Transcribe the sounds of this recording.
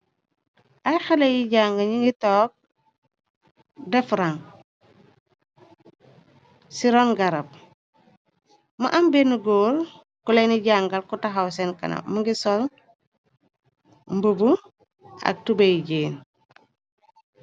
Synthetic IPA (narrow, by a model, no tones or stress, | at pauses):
ʔajxalejiɟaŋɡaɲiŋɡitɔːk̚ | defɾaŋ | siɾonɡaɾap̚ | ma̰ʔambenuɡoːɾ | kuleniɟaŋɡalkutaɦawsenkɐ̰na̰muŋɡisɔl | mbubu | a̰k̚tubejɟeːn